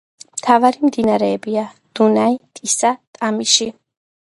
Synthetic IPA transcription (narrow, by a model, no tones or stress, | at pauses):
mt̪ʰavaɾimd̪inaɾɛːbia | d̪̥unait̪ʼisat̪ʼamiʃi